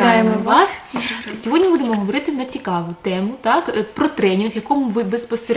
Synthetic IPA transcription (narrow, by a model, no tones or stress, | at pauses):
ɑjemɔʋɑssʲɔɦɔdʲnʲibud̪emɔɦɔʋɔɾɪt̪ɪnɐt͡sʲikɑʋʊt̪ɛmʊt̪ɑkpɾɔt̪ɾɛnʲinxjɐkɔmʊʋɪʋɪspɔseɾ